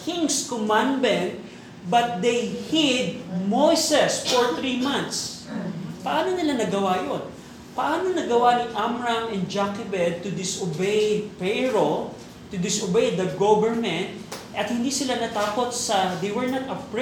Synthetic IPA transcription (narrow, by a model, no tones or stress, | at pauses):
kʰɪ̃ŋskomãnbɛnt̪̚ | bɐt̪̚d̪ejhɪd̪̚mojsɛsfɔɹθɹimãnt̪s | pɐʔaːnonɪlanɐɡɐwajon | pɐʔaːnonɐɡɐwanɐŋʔamɹamɛnd͡ʒakɪbɛd̪̚t̪ʊd̪ɪsobejpɛɹo | t̪ʊd̪ɪsʊbejd̪ɐɡobɛɹmɛ̃nt̪̚ʔɐt̪̚hɪ̃nd̪isɪlanɐt̪aːkot̪̚sɐd̪ejwɛɹnat̪ɐpɹ